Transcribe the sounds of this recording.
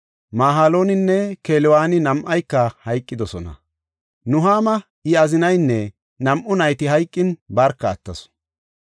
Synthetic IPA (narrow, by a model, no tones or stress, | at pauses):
maːɦaːlo̞ːnɪnːɛkeːlɪwaːnɪnɐmʔɐjkːɐhɐjkʼːɪd̪ɔsɔnɐ̰ | nʊɦaːmɐ | ɪɐzɪnɐjnːɛ | nɐmʔʊnɐjt̪ɪɦɐjkʼːɪnbɐɾkːɐːt̪ːɐsʊ̥